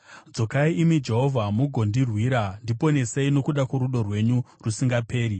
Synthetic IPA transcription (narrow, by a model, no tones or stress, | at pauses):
d͡zo̞kaiːmid͡ʒe̞ɦo̞vʱamuɡʱo̞ndirwiɾandipo̞neseino̞kuɗakwoɾuɗo̞rwe̞ɲu | rusiŋɡape̞ːɾi